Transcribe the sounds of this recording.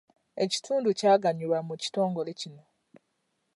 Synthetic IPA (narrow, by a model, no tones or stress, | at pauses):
e̞ci̥tʰuːnducaːɡaɲilwamuci̥to̞ːŋɡo̞le̞cino